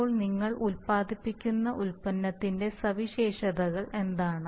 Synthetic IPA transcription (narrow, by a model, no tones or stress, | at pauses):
oːɭniŋːɐɭulpaːd̪ipːikʲːunːɐʔulpɐnːɐt̪ːinde̞sɐʋiɕeːʂɐðɐɣɐɭʔe̞nd̪aːɳɨ